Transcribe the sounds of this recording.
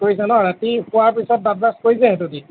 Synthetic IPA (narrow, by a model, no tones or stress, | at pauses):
koɹisɛ̃nɔɹatixʊaɹpisɔt̚bab̚laskoɹisɛɛtudi